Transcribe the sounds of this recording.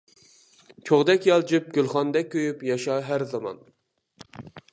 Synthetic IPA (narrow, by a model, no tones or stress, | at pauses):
t͡ʃʰoʁd̪ɛkʲjɑlˠd͡ʒyp̚ɡʲylχɑnd̪ɛk̚ʲʰːøjypjɑʃɑɦæɾzɑmɑ̰n